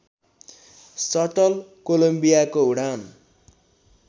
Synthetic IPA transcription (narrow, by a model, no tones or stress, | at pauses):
sʌʈʌlkolombijakouɽan